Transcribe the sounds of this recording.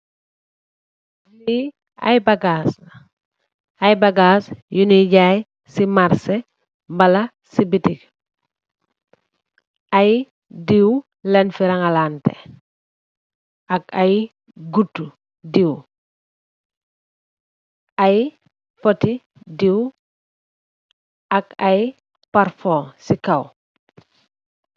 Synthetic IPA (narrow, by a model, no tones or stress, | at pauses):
li | ɐ̰jbɐɡas | ajbɐɡaːsjuniɟaːj | simaɾse | mbɐlɐ | sibitik | aj | diw | lɛnfiɾɐŋalaːntɛ̰ | ɐkɐj | ɡutːu | diw | aj | poti | diw | ɐkaj | paɾfɔsikɐw